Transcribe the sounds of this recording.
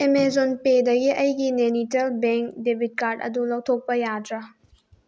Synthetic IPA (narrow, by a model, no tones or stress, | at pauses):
emezonpedɐɡiʔɐjɡinenitelbeŋk̚debʱit̚kaɾdɐ̰dulɐwtʰok̚pɐjadɾɐ